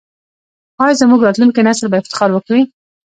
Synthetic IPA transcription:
ɑjzəmuɡɾɑt̪lunkinaslbaɪft̪ɪ̥xɑɾwəkawi

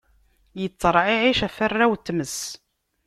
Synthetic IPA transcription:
jət͡sːəɾˤʕiʕiʃæfərːæwt̪ːməs

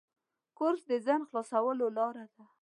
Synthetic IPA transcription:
kʊɾsd̪əzanxlɑsawəlolɑɾad̪a

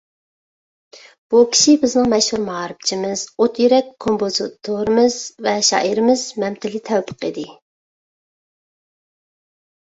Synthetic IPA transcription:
b̥ukʲʰi̥ʃibɪznɨŋmɛʃhuɾmɑɑɾɨp̚t͡ʃʰimɪz̥ot̪jyɾɛkʲʰːompʰozɨt̪ʰːoɾɨmɨz̥vɛʃɑ̰ːʔiɾɪmɪz̥mɛmt̪ʰɪlɪt̪ʰɛwpʰə̥qʰid̪ɪ

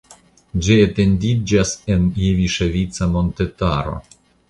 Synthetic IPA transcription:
d͡ʒiet̪end̪id͡ʒasenjeviʃevʲitsamo̞nt̪et̪aɾo̞̰

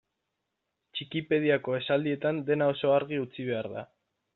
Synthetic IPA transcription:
t͡ʃikipe̞ð̞iako̞e̞sald̪ie̞t̪and̪e̞nao̞so̞aɾɣiut͡siβ̞e̞aɾða̰

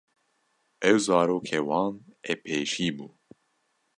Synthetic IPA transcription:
ʔɛwzɑːɾoːkʰeːwɑːneːpʰeːʃiːbuː

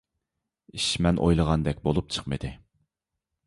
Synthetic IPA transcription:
iʃmɛnʔo̰jlˠəʁɑnd̪ɛkʲbolˠup̚t͡ʃʰə̥qmɨ̰d̪ɪ

